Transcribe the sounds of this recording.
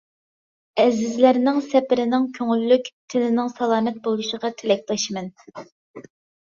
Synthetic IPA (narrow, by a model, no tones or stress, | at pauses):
ɛzɪzlæɾnɪŋsɛpɪɾɪnɪŋkʲʰøŋylːykʲt̪ʰɪnɪnɪŋsɑlˠɑːmɛt̪̚bolˠuʃəʁɑt̪ʰɪlɛk̚ʲlɛʃmɛn